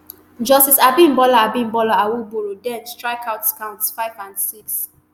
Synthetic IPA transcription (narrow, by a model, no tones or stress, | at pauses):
d͡ʒɔstisabĩmbɔlaabĩnbɔlɔawuboɹodɛ̃nt͡ʃstɹaɪkʰaʊtskãʊ̃ntsfaɪvãnsiks